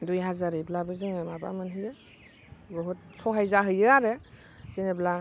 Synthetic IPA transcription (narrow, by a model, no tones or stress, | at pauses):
dujɦazaɾɯjblabɯzɯŋɯmaba̰mɯnɦɯjɯ | bɔɦut̚sɔɦajzaɦɯjɯaɾɯ | z̥enɯbla